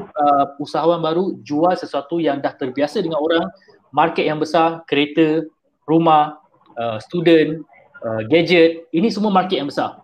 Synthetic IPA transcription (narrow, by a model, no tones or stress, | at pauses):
əusaɦawanbaɾud͡ʒualsəsuat̪ujaŋdaht̪ərbiasədəŋanoɾaŋ | markɛt̪̚jaŋbəsarkəɾet̪ə | rumah | əst̪udən | əɡad͡ʒət̪̚inĩsəmuamarkɛt̪̚jaŋmbəsar